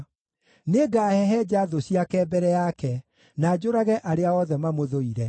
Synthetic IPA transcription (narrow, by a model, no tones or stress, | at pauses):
neɡahɛɦɛd͡ʑaðoɕiakɛːbɛɾɛjakɛ | nad͡ʑoɾaɣɛʔaɾeaɔːðɛmamoðoiɾɛ